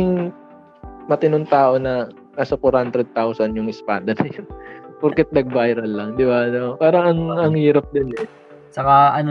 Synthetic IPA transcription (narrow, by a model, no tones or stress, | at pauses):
ɪŋ | mɐt̪ɪnoŋt̪aːʔo̞nɐ | naːsɐpʊɾhand̪ɾɛd̪̚t̪awsɐnjʊŋʔɪspaːd̪ɐnɐjonpʊɾkɛt̪̚nɐɡ̚bajɾɐlːɐŋd̪ɪbanopaːɾɐŋɐŋɐŋhiːɾɐp̚d̪ɪnɛ | t͡ʃɐkaɐn